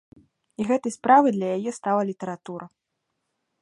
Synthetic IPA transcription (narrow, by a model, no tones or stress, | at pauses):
iɣɛt̪ɐjspɾavɨjd̪lʲɐjajɛst̪alˠɐlʲit̪ɐɾat̪uɾɐ